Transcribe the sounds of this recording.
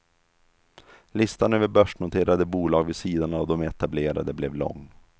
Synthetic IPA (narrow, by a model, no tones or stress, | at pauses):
lɪst̪anøːvəɾbœʂɳʊt̪ʰeːɾad̪əbuːlɑːɡvɪsiːd̪anavd̪ɔmɛt̪ableːɾa̰d̪əblɛvlɔ̰ŋː